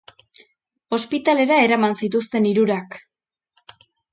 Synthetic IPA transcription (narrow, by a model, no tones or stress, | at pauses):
o̞spit̪ale̞ɾae̞ɾamansit̪ust̪e̞niɾuɾak